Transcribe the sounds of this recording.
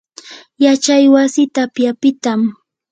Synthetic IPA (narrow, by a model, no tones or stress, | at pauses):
jat͡ʃajwasɪt̪apjapɪt̪am